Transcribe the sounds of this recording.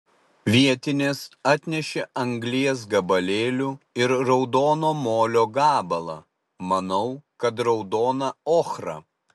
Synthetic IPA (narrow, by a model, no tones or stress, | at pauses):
ʋʲiɛt̪ʲɪnʲeːsɑːt̪ʲnʲɛʃʲeɐŋʲɡlʲiɛs̬ɡɐbɐlʲeːlʲuɪɾɾɔʊd̪oːnoːmoːlʲoːɡɑːbɐlˠɐ̰ | mɐnɐʊkɐt̪ɾɒʊd̪oːnɐoːxɾɐ̰ː